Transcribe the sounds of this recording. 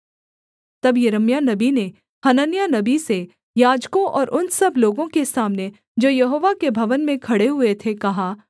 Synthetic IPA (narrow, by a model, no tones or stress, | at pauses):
t̪ɐbjɐɾəmjanɐbine | hɐnənjanɐbise | jaːd͡ʒkõʔɔːɾʔʊnsɐbloːɡõkesaːmne | d͡ʒoːjɐɦoːʋakebʱɐʋənmẽkʰɐɽeɦʊet̪ʰekɐɦaː